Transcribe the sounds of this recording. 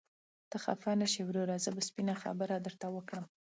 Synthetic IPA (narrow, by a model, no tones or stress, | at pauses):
t̪əxa̰fanəʃewɾoɾazəbaspinaxa̰bəɾad̪əɾt̪awəkɽəm